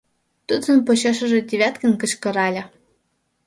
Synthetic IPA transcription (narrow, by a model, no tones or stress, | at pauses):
t̪ud̪zə̆npot͡ɕɑʃɤ̆ʒĕd̪ʲiβʲæt̪kə̆nkɤ̆ɕkɤ̆ɾɑlʲɑ